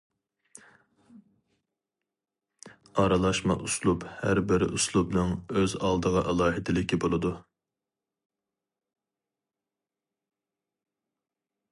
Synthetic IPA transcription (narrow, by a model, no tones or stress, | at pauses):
ɑɾɑlˠɑʃmɑ̰ʔuslˠuphæɾbɪɾɪ̰ʔuslˠubnɨŋøzɑlˠd̪əʁɑʔɛlˠɑːɦɪd̪ɪlɪkʲibolˠɨd̪u